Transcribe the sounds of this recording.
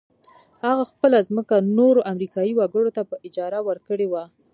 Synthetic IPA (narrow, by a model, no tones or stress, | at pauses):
haɣaxpəlazməkanoɾoʔamɾikɑjiwaɡəɽot̪apəʔɪd͡ʒɑɾawəɾkəɽewa